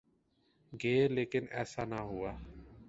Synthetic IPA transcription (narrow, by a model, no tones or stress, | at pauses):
ɡeːleːkɪnɛːsaːnaːɦʊaː